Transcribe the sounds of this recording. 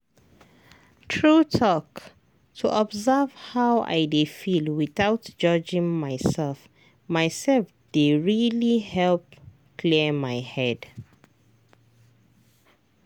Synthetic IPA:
tʰɹutʰɔk | tʰuʔɔbzav̥hawa̰ɪdefilwiθaʊtd͡ʒɔd͡ʒĩŋmaɪsɛlf | maɪsɛlf | d̥eɹilihɛlp | kʰliəmaɪhɛd̥

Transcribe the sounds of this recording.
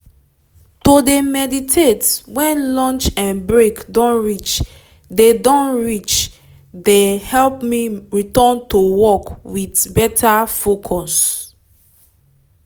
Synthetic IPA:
todemɛditʰetwɛ̃nlɔ̃nt͡ʃɛ̃nbɹekdɔ̃nɹit͡ʃ | dedɔ̃nɹit͡ʃ | dehɛlpmiɹitɔ̃ntowɔkwitbɛtʰafokʰɔs

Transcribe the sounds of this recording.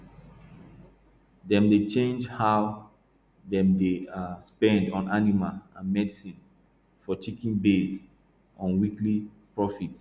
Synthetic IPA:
dɛ̃mdet͡ʃẽnd͡ʒhaʊ | ðɛ̃mdeaspɛ̃ndɔ̃nanimalãnmɛdisĩn | fɔt͡ʃikĩnbes | ʔɔ̃nwiklipɹɔfit

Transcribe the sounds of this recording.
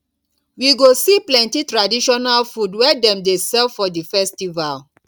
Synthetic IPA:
wiɡosiplɛ̃ntitɹadiʃɔnalfudwɛdɛ̃mdesɛlfɔdifɛstival

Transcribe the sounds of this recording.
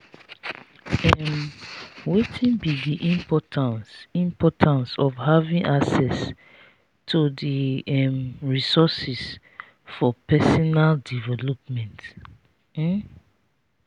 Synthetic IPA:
ɛm | wetʰĩnbidiʔĩmpʰɔtʰãnsĩmpɔtʰãnsɔfhavĩŋʔaksɛs | tʰudiɛmɹisɔsis | fɔpɛsɔnaldivɛlɔpmɛ̃nt̩

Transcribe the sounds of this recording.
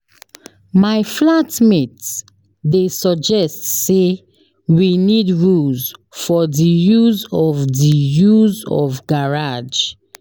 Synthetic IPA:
maɪflatmet | desɔd͡ʒɛstse | winidɹuzfɔdijuzɔvdijuzɔ̰vɡaɹad͡ʒ

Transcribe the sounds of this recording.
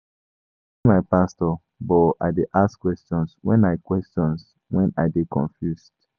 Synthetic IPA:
imaɪpastɔ | bɔa̰ɪdeʔaskwɛstɔ̃nswɛ̰̃naɪkwɛstɔ̃ns | wɛ̃naɪdekʰɔ̰̃ɱfjusd̥

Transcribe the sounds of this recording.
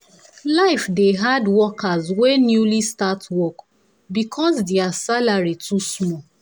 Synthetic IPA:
laɪfdeɦadwɔkazwenjulistatwɔk | bikʰɔsdeasalaɹitʰusmɔ

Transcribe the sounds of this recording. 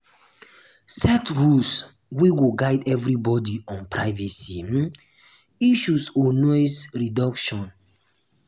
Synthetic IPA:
sɛtɹus | wiwuɡaɪdɛvɹibɔdiɔ̃npɹaɪvɛsim̩ | iʃusɔnɔɪsɹidɔkʃɔ̃n

